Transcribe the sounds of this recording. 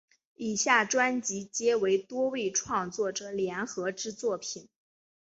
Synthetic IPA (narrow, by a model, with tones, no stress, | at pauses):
i˨˩ɕja˥˩ʈ͡ʂwa˥nt͡ɕi˧˥t͡ɕjɛ˥we˧˥ɪt̪wɔ˥we˥˧ɪʈ͡ʂʰwɑ˥˧ŋt͡swɔ˥˩ʈ͡ʂɤ˨˩ljɛ˧˥nxɤ˧˥ʈ͡ʂɻ̩˥t͡swɔ˥˩pʰi˨˩n